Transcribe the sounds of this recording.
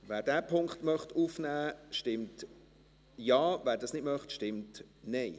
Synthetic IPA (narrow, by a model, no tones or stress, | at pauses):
ʋæːɾdæːpʰʊŋkχtmœχtufnæːʃtɪmt | jɑːvæːɾdɑsnɪdmœχtʃtɪmt | nɛɪ